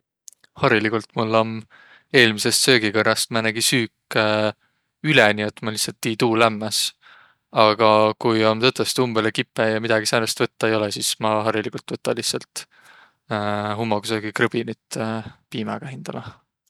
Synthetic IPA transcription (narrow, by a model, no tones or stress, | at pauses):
hɑɾilikult̪mulːom | e̞ːlmise̞st̪sø̞ːɡ̥ikørːɑst̪̚mænæɡisyːkː | ylɛniet̪ːmɑlihsɑlt̪ːiːt̪uːlæmːɑs | ɑɡ̥ɑkujomt̪ɤt̪ːˑost̪umbelekipːˑejɑmid̪̥ɑɡisɑnest̪vɤt̪ːɑejo̞lɛsismɑɦɑɾilikˑult̪ːˑvɤt̪ːˑɑlihtsɑlt̪ː | ɦumːɑɡusøːɡ̥ikrɤb̥init̪piːmɑɡ̥ɑhind̪̥ɑlɑ